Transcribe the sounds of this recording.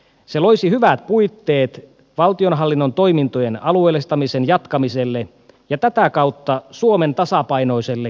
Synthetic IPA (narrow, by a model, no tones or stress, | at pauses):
seloisihyʋæt̪̚pujt̪ːeːt̪ | ʋɑlt̪ionɦɑlːinːont̪o̞imint̪ojenɑlueːlest̪ɑmisenjɑt̪kɑmiselːe | jɑt̪æt̪ækɑut̪ːɑsuoment̪ɑsɑpɑino̞iselːe